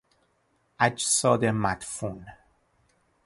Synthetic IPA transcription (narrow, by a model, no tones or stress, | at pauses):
æd͡ʒsɒːd̪emæt̪fun